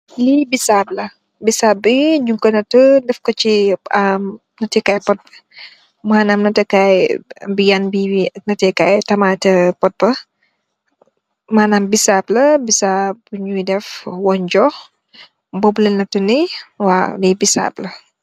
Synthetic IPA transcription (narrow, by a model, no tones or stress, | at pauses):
libisaːblɐ | bisaːb̚iɲuŋkɐnɐtədɛfkɔt͡ʃiam | nɐtɛkajpɔt̚bə̥ | maːnaːmnɐtɛkajbijanbiinɐtɛkajtɐmatɛpɔt̚bɐ | maːnaːmbisaːblɐbisab̚buɲujdɛfwɔnd͡ʒɔx | bɔblɐnɐtuniwalibisa̰ːblɐ